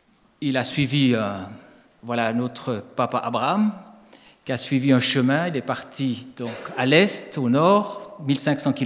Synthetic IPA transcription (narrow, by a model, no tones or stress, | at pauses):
ilasɥiviə̃ | vwalanɔt̪χəpapaʔabʁam | kʲiasɥiviɛ̃ʃəmɛ̃ilɛpaʁt̪ʰid̪̥ɔ̃ːkalɛst̪onɔːʁmilsɛ̃ksɑ̃ki